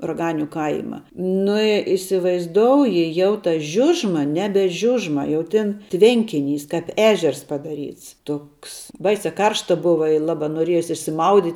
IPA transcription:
rɐˈɡɑːnʲʊ ˈkɐɪmɐ ˈnʊ ɪ ɪsʲɪʋɐɪzˈdoːʊjɪ jɛʊ tɐ ˈʒʲʊʒmɐ ˈnʲæːbʲɛ ˈʒʲʊʒmɐ jɛʊ ˈtʲɪn ˈtʲʋʲɛŋʲkʲɪˌnʲiːs kɐp ˈæːʒʲɛrs pɐdɐˈrʲiːts ˈtoːks ˈbɐɪsʲɛ ˈkɐrʃtɐ ˈbʊʋɐ ɪ ˈlˠɑːbɐ noːˈrʲiɛjoːs ɪʃʲsʲɪˈmɐʊdʲiːtʲ

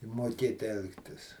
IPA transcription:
moːˈkʲeːt ˈɛlˠktʲɪs

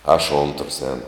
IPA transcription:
ɐʃ oːntrs ˈɛːnʊ

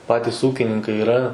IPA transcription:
ˈpɑːtʲɪs ˈuːkʲɪnʲɪŋkɐɪ ɪˈrɐ

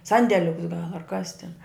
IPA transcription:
ˈsɐnʲdʲɛlʲʊks ɡɐlˠ ɐr kɐs tʲɪn

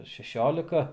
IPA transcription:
ɐr ʃʲɛˈʃʲoːlʲɪkɐ

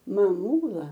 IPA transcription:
mɐˈmuːlˠɐ

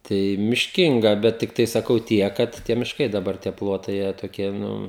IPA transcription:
ˈtɐɪ mʲɪʃʲˈkʲɪŋɡɐ ˈbʲɛt tʲɪkˈtɐɪ sɐˈkɐʊ ˈtʲiɛk ˈkɐt ˈtʲiɛ mʲɪʃˈkɐɪ dɐˈbɐr tʲiɛ ˈplˠoːtɐɪ ˈjiɛ toːˈkʲiɛ nʊ

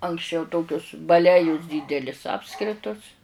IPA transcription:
ɐŋksʲˈt͡ʃʲɛʊ ˈtoːkʲʊs bɐˈlʲæːjʊs ˈdʲiːdʲɛlʲɪs ˈɑːpskrʲɪtʊs

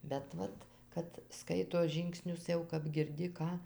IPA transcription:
bʲɛt ˈʋɐt ˈkɐt ˈskɐɪtoː ˈʒʲiːŋksʲnʲʊs jɛʊ kɐp ɡʲɪrʲˈdʲɪ ˈkɑː

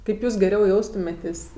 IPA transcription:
kɐɪp ˈjuːs ɡʲɛˈrʲɛʊ ˈjɛʊstʊmʲeːtʲeːsʲ

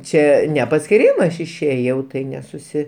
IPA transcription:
ˈt͡ʃʲɛ nʲɛ pɐsʲkʲɪˈrʲiːmɐs ˈɐʃ ɪʃʲˈeːjɛʊ ˈtɐɪ nʲɛsʊˈsʲɪ

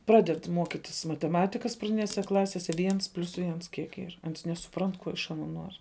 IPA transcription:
ˈprɑːdʲɛt ˈmuɔkʲɪtʲɪs mɐtʲɛˈmɑːtʲɪkɐs prɐˈdʲɪnʲeːsʲɛ ˈklˠɑːsʲeːsʲɛ ˈʋʲiɛns pʲlʲʊs ˈʋʲiɛns ˈkʲiɛk ˈiːr ˈɐns nʲɛsʊˈprɐnt ˈkuɔ ɪʃ ɐˈnuɔ ˈnuɔrʲ

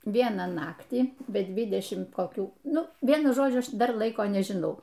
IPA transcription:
ˈʋʲiɛnɑː ˈnɑːktʲiː bʲɛ ˈdʲʋʲɪdʲɛʃʲɪm koːˈkʲuː ˈnʊ ˈʋʲiɛnʊ ˈʒoːd͡ʒʲʊ ˈɐʃ ˈdɐr ˈlˠɐɪkoː nʲɛʒʲɪˈnɐʊ

